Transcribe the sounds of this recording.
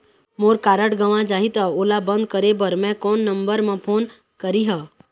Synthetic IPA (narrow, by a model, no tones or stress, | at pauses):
moːɾkaːɾəʈɡəʋãd͡ʒaːɦit̪aoːlabə̃nd̪̚kəɾebəɾmɛ̃kɔːnːə̃mbəɾmẽpʰoːn | kəɾiɦə